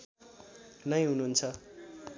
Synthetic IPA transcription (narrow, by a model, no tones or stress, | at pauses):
nʌj̃ɦununt͡sʰʌ